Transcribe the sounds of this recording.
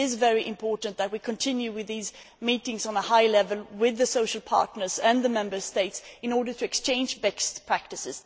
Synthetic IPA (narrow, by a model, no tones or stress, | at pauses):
ɪzvɛɹiʔɪ̃mpʰɔɹʔn̩ðɨt̚wikʰɨ̃ntʰɪ̃njʉwɪðiz | miɾɪ̃ŋzn̩əhaɪlɛvəlˠwɪðɨsoʊʃəl̩ˠpʰɑ̰ɹtnə˞zɨ̃nðəmɛ̃mbə˞steɪtsɨ̃nɔɹdə˞tʰɨɨkst͡ʃʰẽɪ̃nd͡ʒbɛkstpʰɹ̥æk̚tɨsɨz̥